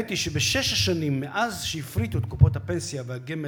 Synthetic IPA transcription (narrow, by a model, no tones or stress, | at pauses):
t̪iʃebeʃeʃaʃanimːeʔazʃehifɾit̪uet̪̚kupot̪hapensjavehaɡeme